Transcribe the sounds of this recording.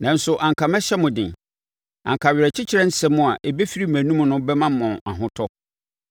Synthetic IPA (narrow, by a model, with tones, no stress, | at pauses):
nã˨n̩˦sʊ˨ʔã˨ŋ˨kʰa˨mɛ̃˦ɕɛ˦mʊ̃˨dɪ̰̃˨ | ã̰˨ŋkʰa˨ɥɪ˨ɾɛ˨t͡ɕʰɪ˦t͡ɕʰɪ˦ɾɛ˦n̩˦sɛ˦mʊ̃˦a˨ʔe˨be˦fi˦ɾi˦mæ̃˨nũ˦m˨nʊ̃˦bɛ˦mã˦mɔ̃˨na˨ɦʊ̃˦tʰɔ˦